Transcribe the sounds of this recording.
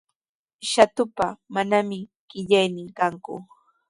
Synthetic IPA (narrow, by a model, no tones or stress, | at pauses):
ʃat̪ʊpamanamɪ | ɢ̥ɪʎajnɪŋkaŋkʊ̰